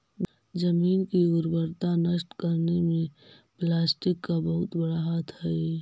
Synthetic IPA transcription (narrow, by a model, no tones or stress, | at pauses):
d͡ʒəmiːnkiʊɾbəɾt̪anəʃʈkəɾnemẽ | plaːsʈɪkːabəɦʊt̪bəɽaɦat̪ʰɦaɛ